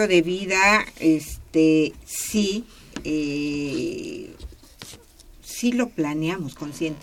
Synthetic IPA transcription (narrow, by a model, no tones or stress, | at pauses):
oðe̞βiðaest̪esi | e | silo̞planjamosko̞nsje̞nt̪